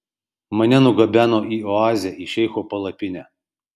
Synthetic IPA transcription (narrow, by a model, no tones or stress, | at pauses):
mɐnʲɛnʊɡɐbʲæːnoːiːɔɑːzʲɪjɛʔiːʃʲɛɪxoːpɐlˠɐpʲɪnʲæ